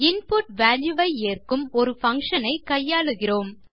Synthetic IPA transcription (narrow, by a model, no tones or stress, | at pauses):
ɪnpʊʈʋaːljɯʋɐɪeːrkɯmɔɾɯfɐŋkʂɐnɐɪkɐjːaːɭɯɣɪroːm